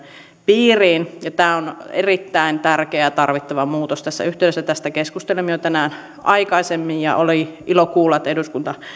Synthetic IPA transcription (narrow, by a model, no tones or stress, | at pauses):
piːriːnjɑt̪æːonḛrit̪ːæint̪ærkeæt̪ɑrʋit̪ːɑʋɑmuːt̪ost̪æsːæ̰yht̪eˑyɾesːæt̪æst̪ækeskust̪elemːijot̪ænæːn | ʔɑikɑisemːijjɑ̰ʔoliʔilokuːlːɑt̪ːeduskunt̪ɑ